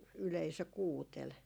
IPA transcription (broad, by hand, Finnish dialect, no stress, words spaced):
yleisø kuːtel